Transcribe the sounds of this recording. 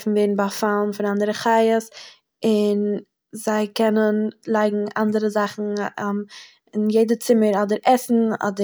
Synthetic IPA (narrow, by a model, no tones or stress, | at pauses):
fn̩veɪɾn̩bafalˠn̩fɪnandəɾəχaɪəs | ɪn | zaɪkɛnənlˠaɪɡŋ̩andəɾəzaχn̩ | ɪnjeɪdət͡sɪməɾɔdəɾʔɛsn̩ɔ̰də